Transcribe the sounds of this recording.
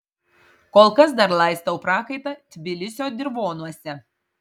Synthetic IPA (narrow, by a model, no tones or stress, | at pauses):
koːlˠkɐsd̪ɐɾlˠɑˑɪst̪ɐʊpɾɑːkɐɪt̪ɐt̪ʲʋʲɪlʲɪsʲoːd̪ʲɪɾʋoːnuɔsʲɛ